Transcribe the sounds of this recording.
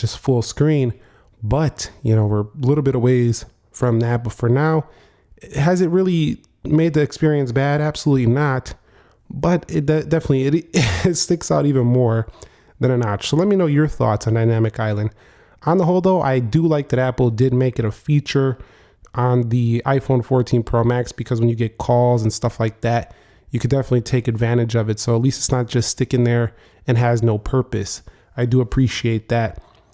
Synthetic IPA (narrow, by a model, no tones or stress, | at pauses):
d̥ʒ̥ʌstfʊlˠskɹĩn | bʌtjɨnoʊwɪɹlɪɾl̩ˠbɪɾəweɪz̥ | fɹʌ̃mðɨæpʌtfə˞naʊ | ɨzɨt̚ɹɪlˠi | meɪd̪̚ðiɨkspɪɹiɨ̃nsb̥æɾæb̥səlutˡlinət | b̥ʌɾɪdɛd̥ɛfənətˡliɨɾtstɪksaʊɾivɨ̃nmɔɹ | ðɨ̃nɨ̃nɑt͡ʃsoʊlɛt̚minoʊjə˞θɔ̰tsn̩daɪnæmɨkaɪlˠɨ̃nd̥ | ʔə̃nðəɦoʊlˠdoʊʔa̰ɪdɨlaɪk̚ðɨɾæpl̩ˠdɪd̚meɪkɨɾɨfit͡ʃə˞ | ʔə̃nðiaɪfõʊ̃nfɔɹtʰĩnpʰɹ̥oʊmæksb̥ɨkʰʌzwə̃njɨɡɛt̚kʰɔlˠzə̃n̩stʌflaɪk̚ðæt̚ | jɨkʰɨ̃dɛfənəɨtˡlitʰeɪkɨdvæ̃ɾ̃ɨd͡ʒʌvɨtsoʊətˡlistɨ̥tsnət̚d̥ʒ̥ʌststɪkɨ̃ŋðə˞ | ɨ̃nɨznoʊpʰɜ˞pɨs | aɪdɨəpʰɹ̥iʃieɪt̪̚ðæt̚